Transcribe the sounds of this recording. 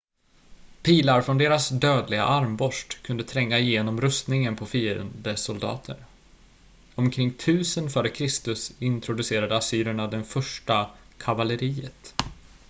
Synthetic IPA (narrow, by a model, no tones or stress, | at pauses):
pʰiːlaɾfɾɔnd̪eːɾasd̪øːd̪lɪɡa̰ʔaɾmbɔʂʈkʰɵnd̪ət̪ʰɾɛŋːaɪjeːnɔmɾɵst̪nɪŋənpʰɔfiːɾə̰nd̪əsɔld̪ɑ̰ːt̪ʰə̰ɾ | ɔmkʰɾɪŋːt̪ʰʉ̟ːsənfœːɾəkʰɾɪst̪ɵsɪnt̪ʰɾʊd̪ɵseːɾad̪əasyːɾəɳad̪ɛnfœʂʈa | kʰavaləɾiːət̪